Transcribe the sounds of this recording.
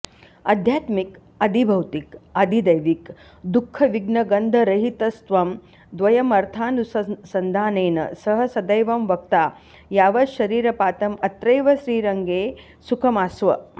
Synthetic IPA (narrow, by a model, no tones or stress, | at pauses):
ɐ̰d̪ʱjaːt̪mik | ɐd̪ʱibʱɐwt̪ikɐd̪ʱid̪ɐjʋik | d̪ukʰːɐʋiɡnɐɡɐnd̪ʱɐɾɐɦit̪ɐst̪ʋɐm | d̪ʋɐjɐmɐɾt̪ʰaːnussɐnd̪ʱaːneːnɐ̰sɐɦɐsɐd̪ɐjʋɐmʋɐk̚t̪aː | jaːʋɐʃɐɾiːɾɐpaːt̪ɐmɐt̪ɾɐjʋɐʃɾiːɾɐŋɡeː | sukʰɐmaːsʋɐ̰